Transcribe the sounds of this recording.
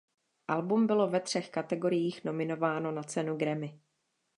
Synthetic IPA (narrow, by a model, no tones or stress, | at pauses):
ʔalbumbɪlo̞vɛt̪r̝̥ɛxkat̪ɛɡo̞ɾɪjiːxno̞mɪno̞vaːno̞nat͡sɛnuɡɾɛmɪ